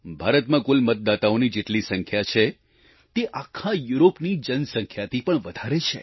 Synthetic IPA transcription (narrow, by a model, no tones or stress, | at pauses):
bʱaɾət̪mãkʊlmət̪̚d̪at̪aonid͡ʒeʈlisə̃ŋkʰjat͡ʃʰe | t̪eʔakʰːajuɾopnid͡ʒənsə̃ŋkʰjat̪ʰipəɳʋəd̪ʱaɾet͡ʃʰḛ